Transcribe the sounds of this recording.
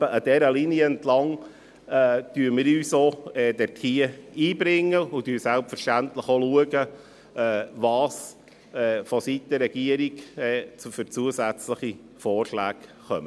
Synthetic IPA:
əʔɑd̥̪ɛɾəlinjəɛntlɑŋ | ɛːd̥yːɾmɪːɾyːsoːɛːd̥ɛɾtʰiəiːbɾɪŋːəʊtyːsælpfəɾʃtænt̪ləχoluəɡə | ɛːvɑːs | ɛːfɔsit̪əɾːɛɡ̥iəɾikɛːt͡sfʏɾt͡suəsæt͡sləχi | fɔːrʃlæːkχœmə

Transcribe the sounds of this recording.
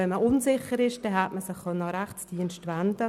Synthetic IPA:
ɛnməʔʊnsɪχəɾɪʃd̥ɛɦætməsɪχχœnːəɾæχt͡sd̥iənʃtʋænd̪ə

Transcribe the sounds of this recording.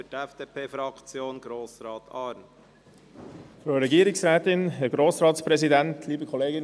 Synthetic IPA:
tɛfd̥eːpʰeːfɾɑkt͡sjoːnɡɾoːsɾɑːt̪ʰɑːɾn | føːɾɛɡiːɾɪsɾɛːt̪ɪnɦɛɡɾoːsɾɑːtspɾɛzidɛntʰliːbəkʰɔleːɡɪn

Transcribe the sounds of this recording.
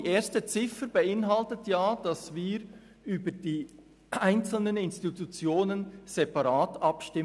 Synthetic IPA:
ʔeːɾstət͡sɪfəɾbəɪnɦɑltətʰjaːd̥ɑsviːɾ | ʔyːbəd̥iː | aɪnt͡sl̩nənɪnstitut͡sjoːnənz̥ɛpɑɾaːtɑpʃtɪ

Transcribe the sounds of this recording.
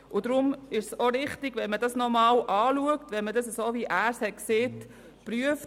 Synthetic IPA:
ʊd̥ɾʊmɪʃsoɾɪχtɪɡ̥ʋɛnmədɑsnɔmɑːlʔɑːluəktʋɛnmədɑsəsoːviʔæːɾshɛtkseːt | pɾyəf

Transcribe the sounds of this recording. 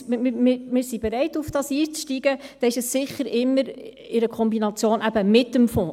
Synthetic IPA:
mɪmɪɾmɪɾsibɛɾɛɪtufd̥ɑsiːt͡sʃtiɡəd̥ɛɪʃəsːɪχəɾɪmːəɾ | ɪɾəkʰɔmbinɑt͡sjoːnʔæbəmɪtːəmfɔ̃ː

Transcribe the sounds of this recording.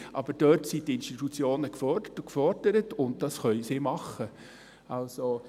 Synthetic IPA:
ʔɑb̥əɾd̥øtsitɪnʃtitut͡sjoːnəkfɔrdətʊkfɔrd̥əɾətʊnt̚d̥ɑsχœʏsɪmɑχːə | ɑlso

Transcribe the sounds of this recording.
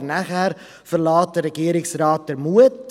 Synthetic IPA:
rnæχær | fərlɑːt̚dəɾəɡiəɾɪŋsrɑːt̚dərmuət

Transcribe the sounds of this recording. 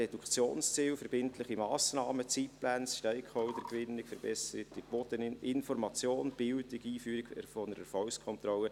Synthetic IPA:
ɛdukt͡sjo̰ːnst͡siːlfəɾbɪntlɪχimɑːsnɑːmət͡sitplænsʃtɛɪkχɔʊd̪əɾkʋɪnːɪɡfəɾb̥ɛsəɾətib̥od̥ənɪnfɔɾmɑt͡sjoːnb̥ɪltɪɡiːfyːɾɪɡɛfɔnəɾəfɔlskʰɔnt̪ɾɔlːə

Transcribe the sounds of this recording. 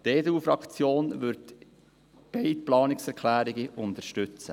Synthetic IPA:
t̪eːduːfɾɑkt͡sjoːnʋʏɾt̪ | b̥eɪt̪plɑːnɪksɛkʰlæːɾiɡiʔʊnt̪əɾʃtʏt͡sə̰

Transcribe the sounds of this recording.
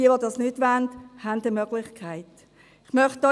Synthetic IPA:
iəʋodɑsnytʋændhændəmœɡlɪχkʰaɪt | ɪχmœχt̚d̥ɔ

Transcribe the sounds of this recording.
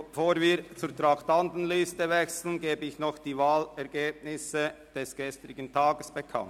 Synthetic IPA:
foːɾviːɾt͡suːɾtʁɑχtandən̩lystəvɛksl̩n̩ɡeːbəɪçnɔχd̥iːvaːlɛʁɡ̥eːb̚nɪsə | d̥ɛsɡ̥ɛst̪ʁɪɡəntʰaːɡəsb̥ɛkʰɑ̰nt

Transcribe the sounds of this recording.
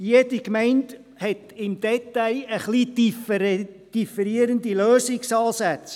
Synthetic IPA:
jed̥ikmɛɪnt | hɛtɪmd̪̥ɛtaɪəχlidf | d̥ifəɾiəɾəndiløːsɪksɑːsæt͡s

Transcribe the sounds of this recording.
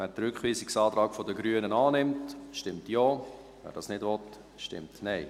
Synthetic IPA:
væːɾdɾʏkχʋiːsɪksɑːt̪ɾɑːkfɔdəɡɾyənənɑːnɪmtʃtɪmtjoː | vɛ̰ːɾd̥ɑːsnɪdʋɔt | ʃtɪ̰mtnɛɪ

